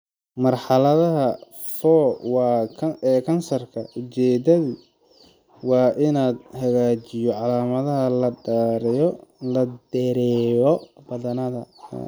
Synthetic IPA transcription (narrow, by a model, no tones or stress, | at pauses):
mɐrħɑlɐðɐɦɐ | fɔːwɑːɛːkʰɐnsɐrkʰɐʊt͡ʃɛːd̪ɐði | wɑːʔɪnaːd̪hɐɣaːt͡ʃɪjɔʕɑlaːmɐðɐɦɐlɐɖaːɾɪjɔlɐd̪ɛɾɛːjɔbɐðɐnɐðɐ̰